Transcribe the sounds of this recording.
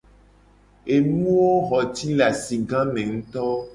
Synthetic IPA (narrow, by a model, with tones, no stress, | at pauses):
e˨nũ˦wo˦xɔ˨t̪i˦la˨si˨ɡã˦mẽ˨ŋ̩̃˦t̪ɔ˦